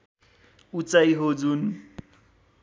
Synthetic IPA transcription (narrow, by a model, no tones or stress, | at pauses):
ut͡sʼaiɦod͡zuːn̩